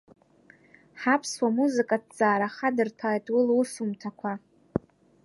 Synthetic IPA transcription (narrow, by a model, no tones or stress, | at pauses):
ħapʰswamuzɨkʼad̚t͡sʼaːɾaχadɨrtʰaːjtʼwʊluʂumtʰakʷʰa